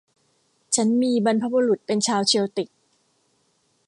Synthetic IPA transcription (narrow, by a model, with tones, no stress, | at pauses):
t͡ɕʰa˦˥nmiː˧ba˧npʰa˦˥bu˧ɾu˨˩t̪̚pe˧nt͡ɕʰaː˧wt͡ɕʰi˧əwt̪i˨˩k̚